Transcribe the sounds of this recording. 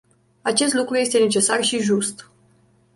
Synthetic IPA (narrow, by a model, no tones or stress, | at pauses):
at͡ʃe̞s̬t̪lukɾuje̞st̪e̞ne̞t͡ʃe̞sarʃiʒust̪